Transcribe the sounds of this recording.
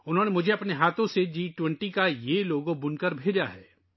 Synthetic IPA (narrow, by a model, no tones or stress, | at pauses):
ʊnɦõːnemʊd͡ʒʱeɐpneɦaːt̪ʰõsed͡ʒiːʈwɛ̃ɳʈikajeloːɡõbʊnkɐɾbʱeːd͡ʒaɦɛ̰ː